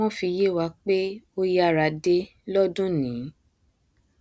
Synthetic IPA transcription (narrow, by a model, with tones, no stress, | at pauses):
ɔ̃˦fi˧je˦˨wa˧k͡pe˦o˦ja˧˨ɾa˨˧de˦ | lɔ˦dũ˦nĩː˨˦